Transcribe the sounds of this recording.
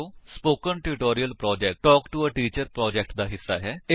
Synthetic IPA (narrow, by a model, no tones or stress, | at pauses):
oːspoːkənʈɪɪʈoːɾiəlpɾɔːd͡ʒɛːk̚ʈɔːkʈuəʈiːt͡ʃəɾpɾɔːd͡ʒɛːk̚ʈd̪aːɦɪsːaːɦɛːe